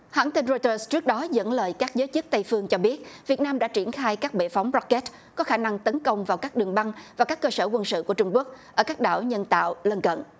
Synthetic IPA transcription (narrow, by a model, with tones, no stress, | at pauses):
hwa̰ː˧˥nt̪i˧nzɔ˧jt̪əː˧st͡ɕɨ˦˥ək̚ɗɔ˨˦zə̰˧˥nləː˨˩jkaː˦˥k̚zəː˨˦jt͡ɕɨ˦˥t̚t̪a˧jfɨ˧əŋt͡ɕɔ˧ɓi˦˥ət̚vi˨˩ət̚naː˧mɗa̰ː˧˥t͡ɕi˧˩ənxaː˧jkaː˦˥k̚ɓḛ˧˨fa˨˦wŋ͡mzɔ˦˥kːe˦˥t̚ | kɔ˨˦xaː˧˩na˧ŋt̪ə˨˦nkə˧wŋ͡mvaː˨˩wkaː˦˥k̚ɗɨ˨˩ŋɓa˧ŋvaː˨˩kaː˦˥kːəː˧səː˧˩kwə˧nsɨ̰˧˨ku˧˩ət͡ɕʊ˧ŋ͡mku˦˥ək̚ʔəː˧˩kaː˦˥k̚ɗa̰ː˧˨wɲə˧nt̪a̰ː˧˨wlə˧nkə̰˧˨nʔ